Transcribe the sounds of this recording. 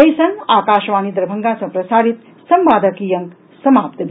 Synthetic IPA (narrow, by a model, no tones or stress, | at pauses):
ɐjsɐnaːkaːʃʋaːnid̪ɾɐbʱɐŋɡaːsɐ̃pɾɐsaːɾit̪ | sɐmʋaːd̪ɐkiːjɐŋk | sɐmaːp̚t̪ɐ